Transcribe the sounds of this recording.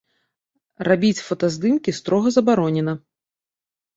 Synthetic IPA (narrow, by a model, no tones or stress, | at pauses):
rabʲit͡sʲfɐt̪ɐzd̪ɨmkʲist̪ɾɔɣɐzɐbaɾɔnʲɛnɐ